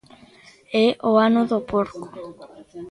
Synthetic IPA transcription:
eʔoanoðopoɾko̥

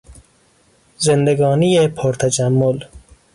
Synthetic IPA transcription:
zend̪eɡɒːnijepʰoɾt̪ʰæd͡ʒæmːol

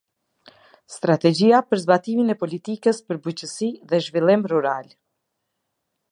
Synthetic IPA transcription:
st̪ɾat̪ɛd͡ʑiapəɾzbat̪iminɛpɔlit̪ikəspəɾbut͡ɕəsiðɛʒvilˠimruɾal

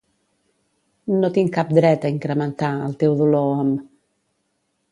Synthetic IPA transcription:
not̪iŋkap̚d̪ɾɛt̪əiŋkɾəmənt̪aəlt̪ɛwðuloɔm

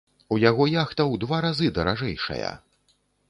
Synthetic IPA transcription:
ujaɣɔjaxt̪ɐwd̪vaɾazɨd̪ɐɾaʐɛjʂɐ̰jɐ̰

